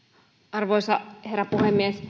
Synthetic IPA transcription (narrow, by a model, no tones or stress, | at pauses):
ʔɑrʋoisɑheræpuhemːies